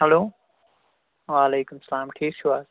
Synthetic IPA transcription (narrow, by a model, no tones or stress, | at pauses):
ɦɛloː | ʋaːleːkʊmsɐlaːmʈʰiːkʃʰuaːs